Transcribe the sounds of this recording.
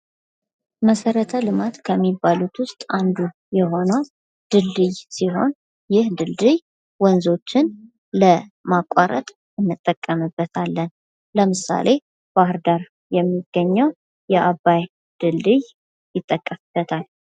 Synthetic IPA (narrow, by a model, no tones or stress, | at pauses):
məsəɾət̪ʰəlɨmat̪kʰəmːibːalut̪wʊst̪ʼand̪u | jɛɦo̞nəw | d̪̥ɨlːɨjsiɦo̞n | jɪhd̪ɨld̪ɨj | wɔnzo̞t͡ʃːɪn | ləmakʷʼːaɾə̰t̪ʼ | ɨnːɨt̪ʼːəkʼːəmɨbːət̪ʰalːən | ləmɨsa̰lʔe̞ | b̥ahɨɾd̪aɾ | jɛmːiɡ̥ːəɲːəw | jɛʔabːaj | d̪̥ɨld̪ɨj | jɪt̪ʼːəkʼːəfb̥ːət̪ʰal